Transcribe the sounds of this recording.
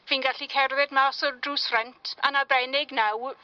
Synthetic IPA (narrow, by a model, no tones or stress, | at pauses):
viːnɡaɬikʰɛrðɛdmaːsɔrdruːsfrɛntʰa̰nabɾɛnɪɡnaw